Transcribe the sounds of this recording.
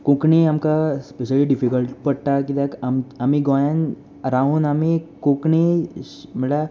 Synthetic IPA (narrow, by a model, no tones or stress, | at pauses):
kõkniamkaspeʃəliɖifikəlʈpəɽʈakid̪ekamamiɡɔjãn | ɾaunamikõkɳi | məɭa